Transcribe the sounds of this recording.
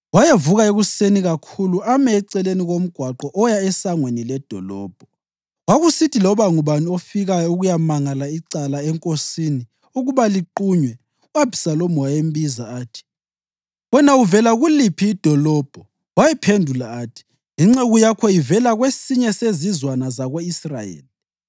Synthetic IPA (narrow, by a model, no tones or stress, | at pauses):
wajevuɣaeɣuseniɣakʰuluamɛːǀɛleniɣom̩ɡ̥ʱwaǃɔʔɔjaɛsaŋwenilɛd̥ʱɔlɔːb̥ʱɔ | waɣusitʰilɔβaŋuβanofiɣajɔuɣujamaŋalaiǀalaɛŋkʼosini | uɣuβaliǃuɲwɛ | uwab̥ʱi̥salomɔwajembizaaːtʰi̥ | wɛnauvɛlaɣulipʰiːd̥ʱɔlɔb̥ʱɔ | wajɛpʰendʱulaatʰi̥ | iŋ͡ǁeɣujakʰɔivɛlaɣwesiɲɛsezizwanazaɣweisra̰jḛːli